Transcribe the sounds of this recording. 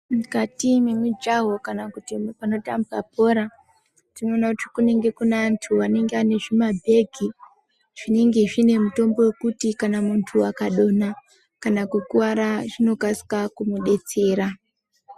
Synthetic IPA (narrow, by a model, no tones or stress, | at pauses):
mikatimemwed͡ʒaɦo̞kanakutipano̞tambuap̚o̞ːɾa | tino̞ːnakutikune̞ŋɡe̞kunantʰuʋane̞ŋɡeane̞ʐimabʱe̞ɡʱi | ʐ̥ine̞ŋɡe̞ʐine̞muto̞mbo̞we̞kutikanamuntʰuakaɗo̞na | kanakukuʋaɾaʐino̞kasi̥kakumuɗe̞t͡se̞ːɾa